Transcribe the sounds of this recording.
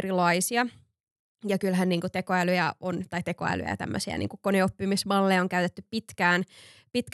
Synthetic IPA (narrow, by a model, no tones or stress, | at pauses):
rilɑisiɑ | jɑkylɦænniːŋkut̪ekoælyjæont̪ɑit̪eko̰æ̰ly̰jæ̰t̪æ̰mːø̰siæ̰nʔḭːŋkukkoneopːimisʋɑlːeːoŋkæyt̪et̪ːyppit̪kæːn | pit̪k